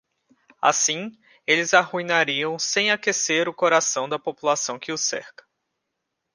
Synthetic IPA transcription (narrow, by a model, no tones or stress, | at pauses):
a̰sĩ | elɪzahuĩnaɾiɐ̃w̃sẽj̃akeseɾʊkoɾasɐ̃w̃d̪ɐpopulasɐ̃w̃kɪʊsɛ̰ɾkɐ̥